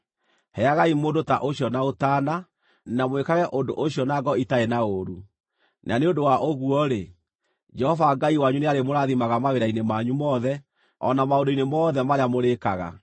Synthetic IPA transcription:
hɛaɣaimoːndota̰ʔoɕiɔnaotaːna | namwekaɣɛʔondoʔoɕjɔnaɡɔitaenaoɾu | nʔa̰neondowaʔoɣuɔɾe | d͡ʒɛhɔvaɡaiwaɲuneaɾemoɾaðimaɣamaweɾainemaɲumɔðɛ | ɔ̰namaondoinemɔːðɛmaɾeamoɾekaɣa̰

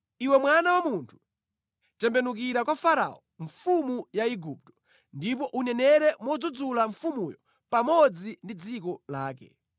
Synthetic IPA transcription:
iwɛmwanawamuntʰu̥ | tɛmbɛnukiɾakwafaɾa̰ɔ | ɱfumujaiɡup̚tɔ̥ | ndip̬ɔʔunɛnɛɾɛmɔd͡zud͡zulaɱfumujɔ | pamɔd͡zindid͡zikɔlaːkɛ̰

